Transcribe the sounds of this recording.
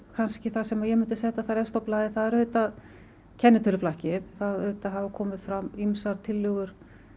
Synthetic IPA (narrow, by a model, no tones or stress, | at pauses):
kʰanscɪθaðsɛmajɛmʏnt̪ʏ̥sɛːht̪aθaɾɛst̪ɔplaːðɪθaðɛɾʏɥt̪að | cʰɛnːʏt̪ʰʏlʏflahcɪðθaðʏːt̪aɦavakʰɔːmɪðfɾamimsaɾt̪ʰɪlːʏɣʏɾ̥